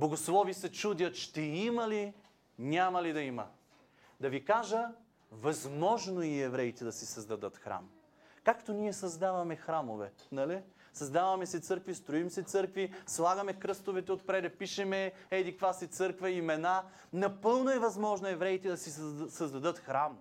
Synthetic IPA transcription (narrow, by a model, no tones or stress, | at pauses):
boɡoslˠɔvisɛt͡ʃud̪ʲjɐt̪ʃt̪ɛimɐli | nʲamɐlid̪ɐimɐ̰ | d̪ɐvikaʒə | vɐzmɔʒnoiɛvɾɛit̪ɛd̪ɐsisɐzd̪ɐd̪ɤt̪xɾa̰m | kakt̪onʲiɛsɐzd̪avɐmɛxɾamo̰vɛ̰nɐli | sɐzd̪avɐmɛsɛt̪sɤɾkvist̪ɾoimsɛt̪sɤɾkvislˠaɡɐmɛkɾɤst̪ovɛt̪ɛot̪pɾɛd̪ɛpiʃɛmɛɛd̪ikvasɛt̪sɤɾkvɐimɛna | nɐpɤlˠnoɛvɐzmɔʒnoɛvɾɛit̪ɛd̪ɐsisɐzd̪ɐd̪ɤt̪xɾam